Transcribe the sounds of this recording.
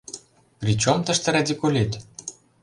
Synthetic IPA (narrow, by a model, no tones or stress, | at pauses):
prʲit͡ɕomt̪ə̆ʃt̪ĕɾad̪ʲikulʲit̪